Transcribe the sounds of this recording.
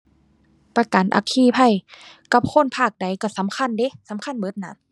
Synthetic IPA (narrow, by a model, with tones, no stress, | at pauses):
pa˧ka˨nʔa̰˧˩kʰːiː˧˩˨pʰa˧˥˨j | ka˧˩p̚kʰo˧˥˨npʰaː˧˩k̚da˨˦jka˧˩sa˨˦mkʰa˧˥˨nde˧˦sa˨˦mkʰa˧˥˨nbɤ˧˦t̪̚na˧˥